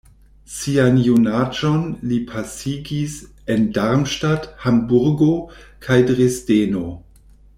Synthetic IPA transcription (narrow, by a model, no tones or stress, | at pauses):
sianjunad͡ʒo̞nlipʰasiɡis | endaɾmʃtathambuɾɡo̞kʰajdʁesdeno̞